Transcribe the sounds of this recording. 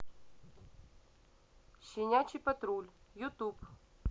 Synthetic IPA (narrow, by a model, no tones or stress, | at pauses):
ɕɪnʲat͡ɕipɐt̪ɾulʲjut̪up